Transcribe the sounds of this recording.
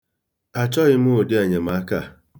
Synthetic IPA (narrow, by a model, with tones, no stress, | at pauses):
a˨t͡ʃɔ˦ɣɪ˦m˦o˨de˦a˨ɲe˨ma˨˦ka˦˨